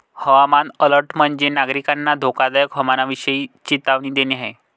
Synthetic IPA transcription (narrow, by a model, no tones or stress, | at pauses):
həʋamanələɾʈm̤əɳd͡ʑenaɡɾikanːad̪ʱokad̪ajəkɦəmanaʋiɕəiːt͡ɕit̪aʋnĩːd̪eniaɦe